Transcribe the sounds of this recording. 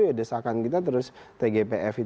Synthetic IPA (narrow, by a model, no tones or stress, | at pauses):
ujadəsakankit̪at̪əɾʊst̪eɡepeʔɛfit̪